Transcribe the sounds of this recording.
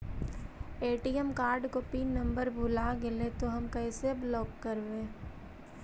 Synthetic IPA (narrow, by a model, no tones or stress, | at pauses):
eːʈiɛmkaːɾɖkopiːnːɐ̃mbəɾbʱʊlaɡɪlet̪oɦɐmkɐɪseblɔːkːɐɾʋẽː